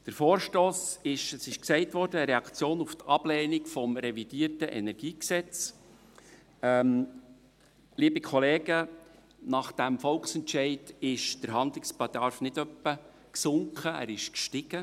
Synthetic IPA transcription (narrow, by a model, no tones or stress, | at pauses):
d̥əɾfoːɾʃtoːsɪʃəsɪʃksɛɪtʋɔɾd̥əːɾɛɑkt͡sjoːnuft̪ɑb̥lɛːnikfɔmɾɛvid̥iːəɾtəʔɛnɛɾɡ̥iːksɛt͡s | ɛm | liːbikʰɔleːɡ̥ə | nɑχd̥æmfɔlksɛntʃɛɪdɪʃd̥əɾɦɑnd̪lɪkspɑd̥̪ɑɾfnɪdœpːə | ksʊŋkχəæ̰ːɾɪʃkʃtɪɡ̥ə